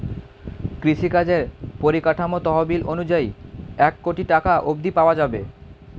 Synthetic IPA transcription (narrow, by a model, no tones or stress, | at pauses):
kɾiʃikad͡ʑeɾpoɾikaʈʰamot̪ɔɦobilʔonud͡ʑaiɛkːoʈiʈakaʔob̚d̪ipaoad͡ʑabe